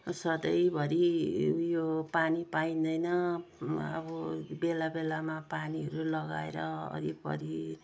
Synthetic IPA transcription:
sʌd̪ʌjbʱʌɾijopanipaĩnd̪ʌjnʌ | ʌ̰bʌbelabelamapaniɦʌɾulʌɡa̰ḛɾʌʌ̰ɾipʌ̰ɾi

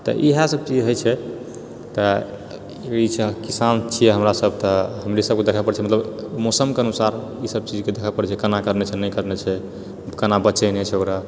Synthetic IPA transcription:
t̪ɔ̰ʔiɦasəb̚t͡ʃid͡ʒɦojt͡ʃʰɛ | t̪ɔ | it͡ʃʰɛkisant͡ʃʰijɛɦəmɾasəb̚ʱt̪ɔɦəmɾisəb̚ked̪ekʰəpəɾɛt͡ʃʰɛmət̪ləbmosəmkeənusaɾ | isəb̚t͡ʃid͡ʒked̪ekʰəpəɽɛt͡ʃʰɛkənakəɾnɛt͡ʃʰɛnəjkəɾnɛt͡ʃʰɛ | kənabəːt͡ʃɛnet͡ʃʰɛokɾa

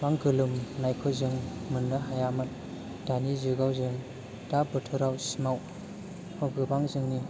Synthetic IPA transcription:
baŋɡɯlumnajkʰɯzɯŋmɯnːɯɦajamɯt̚ | d̥anizɯɡawzɯŋ | d̥abɯtʰɯɾawsimaw | haɡɯbaŋzɯŋni

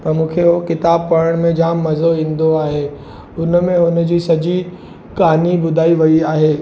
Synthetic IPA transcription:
pɐɾmũːkʰeokɪt̪aːb̚pɐɽəɽ̃mẽd͡ʑaːmːɐzoĩːnd̪oaːɦeː | ʊnmẽʊnd͡ʑiːsɐd͡ʑi | kaːnibʊd̪ʱaːiʋɐiaːɦeː

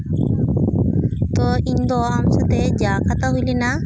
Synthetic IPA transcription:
t̪ɔiɲd̪ɔamsat̪ed͡ʒakat̪aɦulina

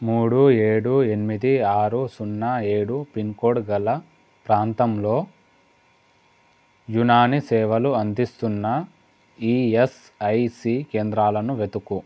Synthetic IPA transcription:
muːɽueːɽue̞nimid̪iaːɾusunːae̞ːɽupinkoːɽɡɐlɐ | pɾaːnt̪ɐmlo̞ː | junaːnisɛːʋɐluɐnd̪ist̪unːɐ | iːes | ɐjsiːkeːnd̪ɾaːlɐnuʋe̞t̪uku

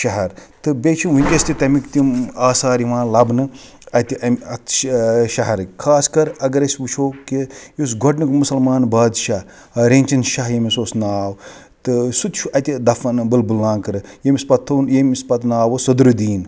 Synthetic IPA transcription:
ʃɐɦɐɾt̪ɨbet͡ʃʰinunʲk̪ʲɐsʲt̪it̪ɐmikt̪imaːsaːɾiʋãːnlɐbnɨ | ɐt̪ʲiʔɐmɐt̪ʰʃɐɦɐɾɨkʰaːskɐɾɐɡɐɾɐsʲʋut͡ʃʰoːkijosɡʱɔʈnɨkmusɐlmaːnbaːd̪ʃɐ | ɾeːnʲt͡ʃɐnʃɐɦjɐmisoːsnaːw | t̪ɨsut̪t͡ʃʰuʔɐt̪ʲid̪ɐfɐnbɨlbɨlnaːnkɨɾɨjemʲispɐt̪ʰːɐnjemʲispɐt̪naːwɐsɐd̪ɾɨd̪iːn

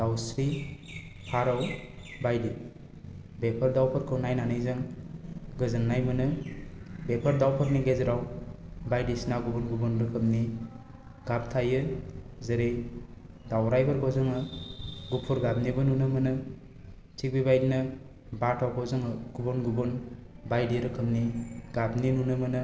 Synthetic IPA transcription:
d̥awsɾi | pʰaɾawbajdi | bepʰəɾdawpʰɯɾkʰɯwnajnanɯjzɯŋ | ɡɯzɯnːajmɯnɯ | bepʰɔɾdawpʰɯɾniɡezɾawbajdisinawɡubɔnɡubɔnɾɯkʰɯmni | ɡap̚tʰajɯzɯɾej | dawɾajbaɾɡɔzɯŋɯɡupʰuɾɡab̚nibɯnunɯmɯnɯ | t͡ʃʰik̚bibajdinɯ | batʰawɡɔzɯŋɡ̥ubɔnɡubɔn | bajdiɾɯkʰɯmniɡ̥ab̚ninunɯmɯnɯ

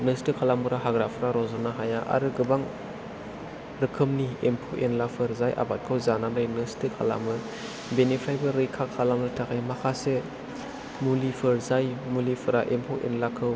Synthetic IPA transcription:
nɯstɯkʰalamɯɾaɦaɡɾapʰɯɾaɾɔzɔnaɦajaʔa̰ɾɯɡɯbaŋ | ɾɯkʰɯmniempʰowʔenlapʰɯɾzajʔa̰bat̚kʰɯwzananajnɯstɯkʰa̰la̰mɯ | benipʰajbɯɾɯjkʰakʰalamɾɯtʰakʰajmakʰase | mulipʰɯɾzajmulipʰɯɾaʔempʰɯwʔḛnlakʰɯw

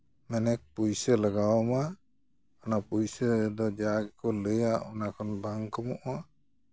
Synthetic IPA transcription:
mɛnɛk̚pujsəlaɡawama | ɔnapujsəd̪ɔd͡ʒaɡɛkɔləjaɔnakʰɔnbaŋkɔmɔʔma

